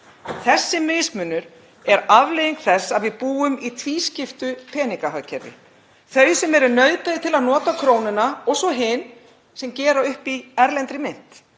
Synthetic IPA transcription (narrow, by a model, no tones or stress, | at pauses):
θɛsːɪmɪːsmʏnːʏɾ̥ | ɛɾavlejiŋkθɛsːaðvɪðpuːʏmit̪ʰviscɪft̪ʏpʰɛːniŋkahacʰɛɾvɪ̰ | θœɥsɛmɛɾʏnœːɥpaðɪt̪ʰɪlaðnɔːt̪akʰɾoːwnɪnaɔɣsɔɦɪn | sɛmcɛːɾaʏhpiɛɾlɛnt̪ɾɪmɪn̥t̪